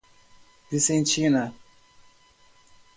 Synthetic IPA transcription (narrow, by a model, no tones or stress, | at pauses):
visẽnt͡ʃinɐ